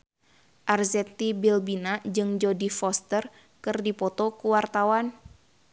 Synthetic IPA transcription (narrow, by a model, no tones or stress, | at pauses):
ʔarzɛt̪ibilbinad͡ʒɨŋd͡ʒodifɔst̪ər | kɨrdipɔt̪ɔkuwart̪awan